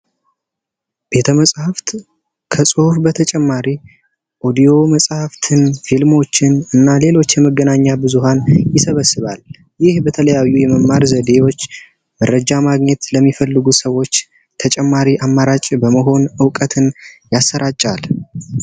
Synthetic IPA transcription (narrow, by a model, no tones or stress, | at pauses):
b̥e̞t̪ʰəməsʼhaft̪ | kʰəsʼɨhufbət̪ʰət͡ʃʼɛmːaɾi | ʔo̞d̪ijo̞məsʼhaft̪ʰɨnfilmo̞t͡ʃːɪnɨnːale̞lo̞t͡ʃːjɛməɡənaɲːabɨzuɦanjɪsəβəsːɨβal | jɪhbət̪ʰələjajːujɛməmːaɾzəd̪e̞wo̞t͡ʃː | məɾəd͡ʒamaɡɲɛt̪ləmːifəlːɨɡusəwo̞t͡ʃː | t̪ʰət͡ʃʼɛmːaɾiʔamːaɾat͡ʃʼbəməɦo̞nɨwkʼət̪ʰɨnjasːəɾat͡ʃʼːal